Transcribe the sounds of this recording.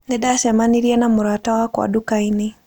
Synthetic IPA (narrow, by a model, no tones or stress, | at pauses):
neɗasɛmaniɾianamuɾatawakwa̰ɗukaine